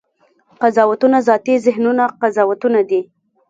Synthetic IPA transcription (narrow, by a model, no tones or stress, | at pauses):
qazɑwat̪unazɑt̪izɪɦnunaqazɑwat̪unad̪i